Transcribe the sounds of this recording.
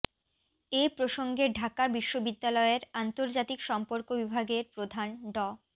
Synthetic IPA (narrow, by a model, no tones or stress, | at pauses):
epɾoʃoŋɡeɖʱakabiʃːobid̪ːalɔeɾant̪oɾd͡ʑat̪ikʃɔmpoɾkobibʱaɡeɾpɾod̪ʱanɖɔ